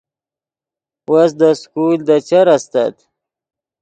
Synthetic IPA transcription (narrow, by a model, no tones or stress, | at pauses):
wasd̪əskuld̪ət͡ʃaɾast̪a̰t̪